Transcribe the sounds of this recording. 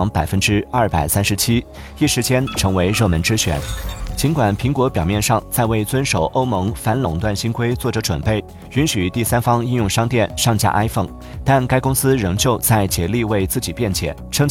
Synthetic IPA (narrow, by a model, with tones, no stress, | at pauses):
ŋpa˨˩ɪfə˥nʈ͡ʂɻ̩˥ɐ˥˩pa˨˩ɪsa˥nʂɻ̩˧˥t͡ɕʰi˥ | i˥˩ʂɻ̩˧˥t͡ɕjɛ˥nʈ͡ʂʰɤ˧˥ŋwe˧˥ɪɻɤ˥˩mə˧˥nʈ͡ʂɻ̩˥ɕɥɛ̰˧˥˦nt͡ɕi˧˥nkwa˨˩npʰi˧˥ŋkwɔ˧˥pjɑ˨˩ʊmjɛ˥˧nʂɑ˥˧ŋt͡sa˥˧ɪwe˥˩ɪt͡swə˥nʂo˨˩ʊʔo˥ʊmɤ˧˥ŋfa˧˥nlʊ˨˩ŋt̪wa˥˩nɕi˥nkʰwe˥ɪt͡swɔ˥˩ʈ͡ʂɤ˧˥ʈ͡ʂwə˨˩npe˥˩ɪ | y˧˥nɕy˨˩t̪i˥˩sa˥nfɑ˥ŋi˥˧njʊ˥˧ŋʂɑ˥ŋt̪jɛ˥˧nʂɑ˥˧ŋt͡ɕja̰˥˧ʔa˥ɪfɤ˥˩ŋ | t̪a˥˩nka˥ɪkʊ˥ŋsɹ̩˥ɻɤ˧˥ŋt͡ɕjo˥˧ʊt͡sa˥˩ɪt͡ɕjɛ˧˥li˥˧we˥˧ɪt͡sɹ̩˥˩t͡ɕi˨˩pjɛ˥˩nt͡ɕjɛ̰˨˩˦ʈ͡ʂʰɤ˥ŋ